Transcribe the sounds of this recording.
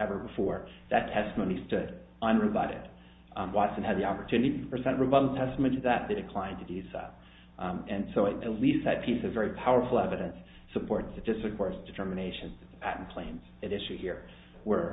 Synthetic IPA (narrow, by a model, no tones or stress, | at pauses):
ɛvə˞bəfɔɹðɨtʰɛstəmõʊ̃nistʊɾ | ʌ̃nɹɨbʌɾɨ̰d̥ | wɑtsɨ̃nɨd̪̚ðiɑpə˞tʰʉnɨɾiɾɨpʰɹ̥ɨzɛ̃nʔɹobʌɾl̩ˠtʰɛstmõʊ̃nitʰɨðɨt̪̚ðeɪɾɨkʰl̥ãɪ̃ntʰɨdi̥so̰ʊ | ɨ̃nsoʊɨɨtˡlist̪̚ðɨt̚pʰisɨvɛɹipʰaʊə˞fl̩ˠɛvɨɾɨ̃ns | ɨpʰɔɹt̪̚ðɨdɪstɹ̥ɨkʰɔɹzd̥ɨtʰɜ˞mɨneɪʃɨ̃nzðɨt̪̚ðəpʰæʔn̩pʰl̥ẽɪ̃nz̥ɨ̃ɾɪʃʉhiɹ | wə˞